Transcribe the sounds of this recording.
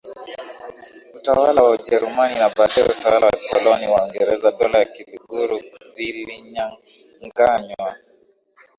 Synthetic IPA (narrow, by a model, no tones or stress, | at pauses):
utawalawaud͡ʒɛɾumaninaɓaɗajɛ̰utawalawakɔlɔniwaɔŋɡɛɾɛzaɗɔlajakiluɡuɾuviliɲaŋ | ŋɡaɲwa